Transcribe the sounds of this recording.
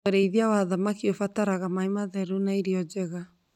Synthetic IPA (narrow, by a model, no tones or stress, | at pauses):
oɾeiðiawaðamakiofataɾaɣamaimaðɛɾunaiɾiɔd͡ʒɛɣa